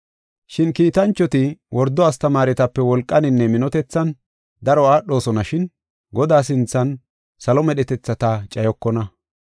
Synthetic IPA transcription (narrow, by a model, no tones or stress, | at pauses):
ʃɪnkiːt̪ɐnt͡ʃːɔt̪ɪwʔɔɾd̪ɔɐst̪ɐmaːɾɛt̪ɐpːɛwɔlkʼːɐnɪnːɛmɪnɔt̪ɛt͡sːɐn | d̪ɐɾɔaːɗːo̞ːsɔnɐʃɪn | ɡɔd̪aːs̬ɪnt͡sːɐn | sɐlɔmɛɗɛt̪ɛt͡sːɐt̪at͡ʃʼɐjɔkːɔnɐ